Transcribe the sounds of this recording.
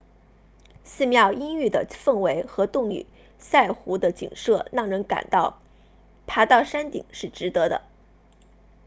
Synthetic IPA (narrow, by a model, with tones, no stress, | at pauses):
s̩˥˧mjɑ˥˩ʊi˥ŋy˥˩d̪ə̰˩fə˥˩ŋwe˧˥ɪxɤ˧˥t̪ʊ˥˩ŋy̰˨˩˦ | sa˥˩ɪxu˧˥d̪ə˧t͡ɕḭ˨˩ŋʂɤ˥˩ɻɑ˥˩ŋɻə˧˥nka̰˨˩nt̪ɑ˥˩ʊ | p̪ʰa˧˥t̪ɑ˥˩ʊʂa˥nt̪ḭ˨˩ŋʂɻ̩˥˩ʈ͡ʂɻ̩˧˥t̪ɤ˧˥d̪ə̰˧